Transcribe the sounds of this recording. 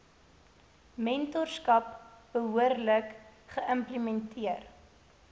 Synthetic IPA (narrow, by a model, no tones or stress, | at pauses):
mɛntɔrskɐp̚b̥əɦuərləkχəʔəmplimɛntʰiər